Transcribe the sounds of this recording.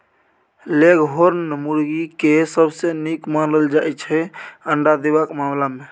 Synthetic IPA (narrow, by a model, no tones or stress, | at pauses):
leɡɦoɾnnmuɾɡikesəbsenikmanəld͡ʒaet͡ʃʰɛəɳɖad̪eʋakmamlamẽ